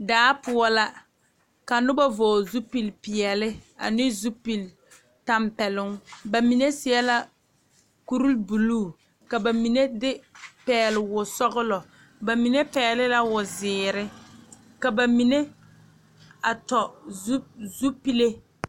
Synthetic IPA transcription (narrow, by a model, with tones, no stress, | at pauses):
daː˨˦pʊ˨ɔ˦la˦ | ka˨nʊ˦ba˦voː˨zu˦pi˨lpɪ˨jɛ˨lɪ˦a̰˨nɪ˦zu˦pi˨l | ta˦mpɛ˨lʊ˦ŋba˨mi˨ne˦sɪ˦ɛ˦la˦ | ku˦ɾu˦lbu˨luː˦˨ | ka˨ba˨mi˨ne˦dɪ˦pɛː˨˦lɪ˨wʊ˨sɔ˦ɣʊ˦lɔ˨ | ba˨mi˨ne˦pɛː˨lɪ˦la˦wʊ˨zɪː˨ɾɪ˦ | ka˨ba˨mi˨ne˦ | a˨tɔ˨˦ | zu˦pi˦le˦